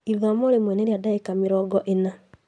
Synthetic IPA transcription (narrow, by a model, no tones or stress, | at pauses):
iuamoɾemwɛneɾiadaekameɾɔɡɔʔena